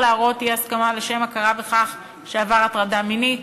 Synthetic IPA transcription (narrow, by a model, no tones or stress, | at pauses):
leaʁo̞t̪ijeaskamaleʃe̞makaʁabe̞χaχ | ʃeavaʁatʁadaminit